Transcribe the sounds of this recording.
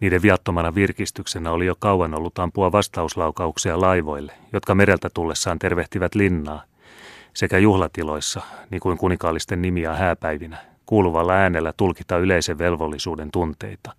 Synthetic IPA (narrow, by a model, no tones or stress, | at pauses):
niːdeʋʋiɑt̪ːomɑnɑʋirkist̪yksenæolijo̞kɑuɑnolːut̪ɑmpuɑʋɑst̪ɑuslɑukɑuksiɑlɑiʋo̞ilːejot̪kɑmeɾe̞lt̪æt̪ulːesːɑːnt̪e̞rʋeht̪iʋæt̪linːɑː | se̞kæjuhlɑt̪ilo̞isːɑniːŋkuiŋkunikɑːlːist̪enːimiɑhæːpæiʋinæ | kuːluʋɑlːɑæːnelːæt̪ulkit̪ɑyleiseʋʋe̞lʋo̞lːisuːde̞nt̪unt̪e̞̰it̪ɑ̥